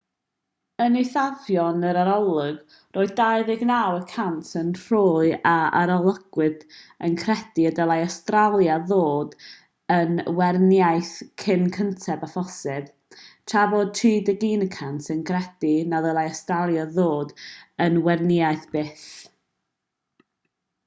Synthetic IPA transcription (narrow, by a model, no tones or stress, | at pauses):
ənɪθavjɔnəɾaɾɔlˠʊɡ | rʔoːɨð̚daɨðɪɡnawəkʰantʰənr̥ʊːɨaa̰ɾɔlˠəɡ̥wɨðənkʰrɛd̥iədəlˠajastralˠjaðoːd | ənwɛrnjajθkʰɪnkʰəntʰɛbafɔsɪv̥ | tʰraːboːd̚tʰiːdəɡinəkʰantʰənkʰrɛd̥inaðəlˠaastralˠjaðoːdənwɛrnɪaɨθb̥eːθ